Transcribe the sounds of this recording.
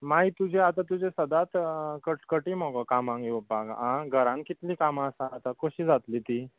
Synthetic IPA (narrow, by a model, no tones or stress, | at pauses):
mait̪ud͡ʑʱeat̪at̪ud͡ʑesəd̪at̪kəʈkəʈimɔɡɔkamãŋɡiobaɡãɡʱəɾãnkit̪liːkamasaːt̪akoɕiːd͡zat̪lit̪iː